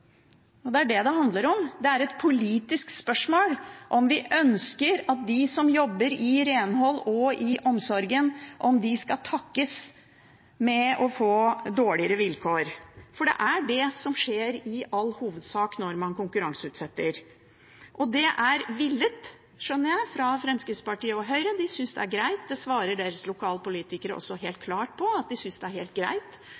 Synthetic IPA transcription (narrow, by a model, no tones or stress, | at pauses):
ɔd̪ɛæɖɛd̪ɛɦɑnd̪ləɾɔmd̪ɛæɾɛt̪pʰʊliːt̪ɪsk̪spœʂmoːlʔɔmʋɪʔœnskəɾɑt̪̚d̪ɪsɔmjɔbːəɾɪɾeːnɦɔlːɔɪʔɔmsɔɾɡənʔɔmd̪ɪskɑt̪ʰɑkːəs | mɛɔfoːd̪oːɭɪəɾəʋɪlkʰoːɾfɔɖɛ̰ʔæɖɛsɔmʂeːɾɪʔɑlːhuːʋəd̪sɑːknɔɾmɑnkʊŋkʉɾɑŋsəʉːt̪sɛt̪ːəɾ | ʔɔd̪ɛʔæɾʋɪlːət̪ | ʂœnːəɾjæɪfɾɑfɾɛmskəspɑʈiːəɔɦœʏɾəd̪ɪsʏnsd̪ɛ̰æɾɡɾæɪt̪̚d̪ɛsʋɑːɾəɖeːɾəslʊkʰɑːlpʊliːt̪ɪkəɾəʔɔ̰sːɔɦeːlt̪̚kʰlɑːʈ̚pʰɔɑt̪̚d̪ɪsʏnsd̪ɛæɾheːlt̪̚ɡɾæ̰ɪt̪